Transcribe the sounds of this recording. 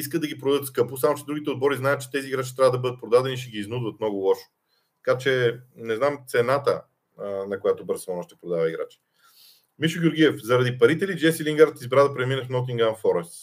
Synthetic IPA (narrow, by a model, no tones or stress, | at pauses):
iskəd̪d̪ɐɡʲipɾod̪ət̪skɤposamot͡ʃɛd̪ɾuɡʲit̪ɛod̪̚bɔɾiznajət̪t͡ʃɛ̥t̪ɛziːɡɾat͡ʃit̪ɾʲavəd̪ɐbɤd̪ət̪̚pɾod̪ad̪ɛniʃɛɡʲiːznud̪vət̪̚mnɔɡʊlˠɔʃo̥ | t̪ɐ̥kat͡ʃɛnɛznamt̪sɛnat̪ə | nɐkojat̪obəɾsɔnɔʃt̪ɛpɾod̪avɐiɡɾa̰t͡ʃi̥ | miʃʊɡʲjʊɾɡʲiɛfzɐɾɐd̪ipɐɾit̪ɛlid͡ʒɛsiliŋɡaɾt̪izbɾad̪ɐpɾɛminəfnɔt̪̬iŋɡanfɔɾɛst̪